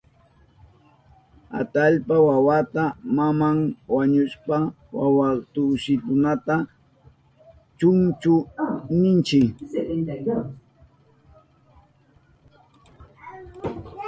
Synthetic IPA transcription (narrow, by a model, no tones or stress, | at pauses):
a̰t̪aʎpawawat̪amamaŋwaɲʊʃpa | wa̰wat̪ʊʃɪt̪ʊnat̪a | t͡ʃʊŋt͡ʃʊnɪnt͡ʃɪk